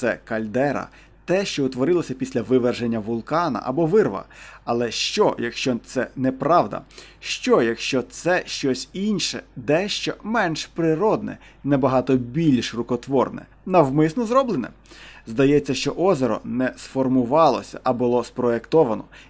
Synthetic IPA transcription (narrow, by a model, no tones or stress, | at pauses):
sɛkɐlʲd̪ɛɾɐ̰ | t̪ɛʃt͡ʃɔʊt̪ʋɔɾɪlˠɔsʲɐpʲisʲlʲɐʋɪʋerʒenʲːɐʋʊlˠkɑnɐ̰ʔɐ̰bɔʋɪrʋɐ̰ɐlˠɛʃt͡ʃɔjɐkʃt͡ʃɔt̪sɛnɛpɾɑwd̪ɐ̰ʃt͡ʃɔjɐkʃt͡ʃɔt̪sɛʃt͡ʃɔsʲinʲʃɛ̰d̪ɛʃt͡ʃɔmɛnʃpɾɪɾɔd̪nɛ̰ | nɛbɐɦɑt̪ɔbʲilʲʃrʊkɔt̪ʋɔrnɛ̰ | nɐwmɪsnɔzɾɔblˠenɛ̰ | zd̪ɐjɛt͡sʲːɐʃt͡ʃɔʔɔzeɾɔ̰nɛsfɔrmʊʋɑlˠɔ̰sʲɐ̰ʔɐbʊlˠɔspɾɔjekt̪ɔʋɐnɔ